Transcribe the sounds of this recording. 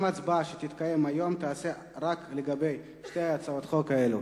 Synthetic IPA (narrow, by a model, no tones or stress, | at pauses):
mat͡sbaʃet̪it̪kaje̞majo̞mt̪aːse | ʁakleɡabe̞j | ʃtejat͡saot̪χo̞kaelu